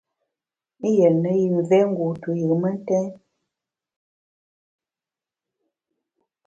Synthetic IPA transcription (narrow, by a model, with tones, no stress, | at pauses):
e˦jə˨nə˦ji˨ɱ˨vɛ˦ŋ̩˦ɡu˨tu˨jə˨mə˦n˦tɛ̃˦